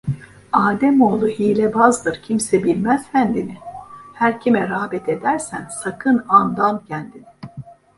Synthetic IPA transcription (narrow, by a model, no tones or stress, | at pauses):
aːd̪ɛmo̞ːlˠuhiːlʲɛbazd̪ɯɾcʰimsɛbilʲmæz̥fænd̪inɪhæɾcʰimɛɾaːbɛt̪ʰe̞d̪æɾsænsakʰɯnand̪amcʰænd̪inɪ